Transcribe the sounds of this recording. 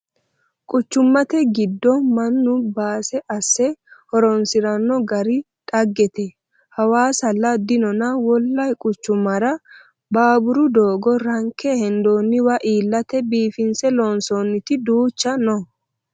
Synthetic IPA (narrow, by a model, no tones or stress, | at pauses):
kʼʊt͡ʃːʊmːɐt̪ɛɡɪd̪ːɔmɐnːʊbaːsɛʔɐsːɛhɔɾɔnsɪɾɐnːɔɡɐɾɪ | t̪ʼɐɡːɛt̪ɛ | hɐwaːsɐlːɐd̪ɪnɔnɐwɔlːɐjkʼʊt͡ʃːʊmːɐɾɐ | baːbʊɾʊd̪o̞ːɡɔɾɐŋkːɛhɛnd̪oːnːɪwɐʔiːlːɐt̪ɛbiːfɪnsɛloːnsonːɪt̪ɪd̪uːt͡ʃːɐnɔ